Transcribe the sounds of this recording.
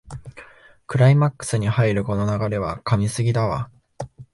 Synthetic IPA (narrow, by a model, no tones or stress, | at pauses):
kɯ̟ɾaimakːɯ̥sɨɲ̟ihaiɾɯ̟ko̞no̞naɡaɾe̞β̞akamʲisɨɡʲid̪aβa̰